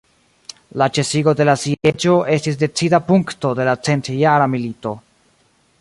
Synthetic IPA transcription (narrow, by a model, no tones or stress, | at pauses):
lat͡ʃe̞siɡo̞de̞lasiet͡ʃo̞ʔe̞stis̬de̞t͡sidapuŋkto̞de̞lat͡se̞ntjaɾamilito̞